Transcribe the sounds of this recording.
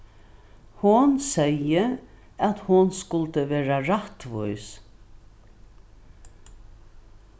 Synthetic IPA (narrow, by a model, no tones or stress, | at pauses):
hʊnsɛjə | at̪hʊnskʊlt̪əʋeːɾaɹat̪ʋʊjs